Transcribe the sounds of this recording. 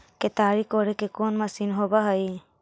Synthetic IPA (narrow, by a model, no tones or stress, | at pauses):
ket̪aːɾikoːɾekekoːnməsinɦobaɦəj